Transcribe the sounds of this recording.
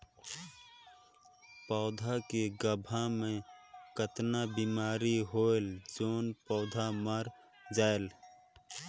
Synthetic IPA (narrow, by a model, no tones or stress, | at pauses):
pɔːd̪ʱakeɡəbʱamẽkət̪nabiːmaːɾiɦoːeld͡ʒoːnpɔːd̪ʱaməɾ | d͡ʒaːel